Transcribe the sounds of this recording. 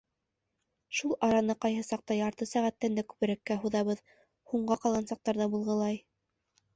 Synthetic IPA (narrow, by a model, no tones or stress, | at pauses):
ʃulˠʔɑɾɑnɤqɑjɦɤsɑq̚t̪ɑjɑɾt̪ɤsæʁæt̪ːænd̪ækʉ̥βɘ̆ɾækːæɦuðɑβɤð | huɴɢɑqɑlˠʁɑnsɑq̚t̪ɑɾðɑbulˠʁɤ̆lˠɑj